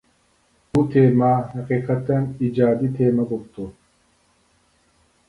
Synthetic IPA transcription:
ut̪ʰeːmahɐqiːqat̪ɐnid͡ʒaːd̪it̪ʰeːmɐɡokt̪u

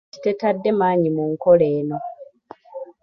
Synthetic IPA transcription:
i̥te̞tadːe̞maːɲimuŋko̞le̞ːno̞

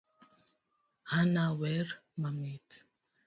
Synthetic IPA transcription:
hanawɛɾmamit

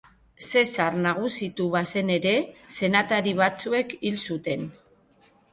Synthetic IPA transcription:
se̞saɾnaɣ̞usit̪uβase̞ne̞ɾe̞se̞nat̪aɾiβ̞at͡sue̞kilsut̪e̞n

